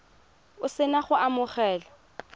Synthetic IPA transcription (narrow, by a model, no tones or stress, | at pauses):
ʊsɪnaχʊamʊχɛːlɔ